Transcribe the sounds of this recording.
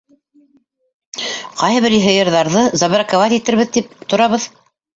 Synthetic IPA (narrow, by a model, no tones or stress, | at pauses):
qɑjɤβɘɾiɦɘ̆jɤ̆ɾðɑɾðɤzɑβɤɾakovɑt̪it̪ɘ̆ɾβɘðt̪ip̚t̪ŏɾɑβɤð